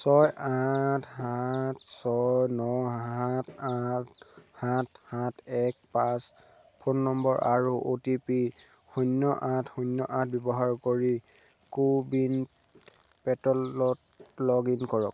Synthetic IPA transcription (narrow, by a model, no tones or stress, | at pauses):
sɔjatʰhatsɔjnɔɦatʰathat̚ʰhãtʰɛk̚pãs | pʰonːɔmbɔɹʔaɹuʔotipi | xɔnːɔʔãtʰxɔnjɔʔãt̚ʰbjɔbɔɦaɹkoɹi | kubin | pɛtɔlɔt | lɔɡinkɔɹɔk̚